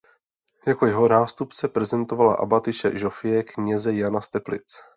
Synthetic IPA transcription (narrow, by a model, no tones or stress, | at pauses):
jako̞jɛɦo̞naːst̪upt͡sɛpɾɛzɛnt̪o̞vala̰ʔa̰bat̪ɪʃɛ̰ʒofɪjɛkɲɛzɛjanast̪ɛplɪ̰t͡s